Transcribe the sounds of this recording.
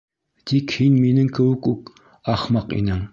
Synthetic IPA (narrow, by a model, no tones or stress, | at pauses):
t̪ʰikhinminɘŋkɘ̆wɘkuk | ɑχmɑqḭnɘŋ